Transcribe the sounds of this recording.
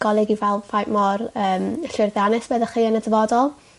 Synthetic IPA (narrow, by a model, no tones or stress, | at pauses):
ɡ̥ɔlˠɪɡivɛlˠfajmɔrəːməɬɪrðanɪsbɛðəχiːənədəvɔdɔlˠ